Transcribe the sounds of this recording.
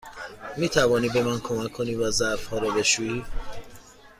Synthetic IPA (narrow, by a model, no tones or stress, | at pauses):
miːt̪ʰævɒːniːbe̞mænkʰomækʰːoniːvæzæfhɒːɾɔːbe̞ʃuːiː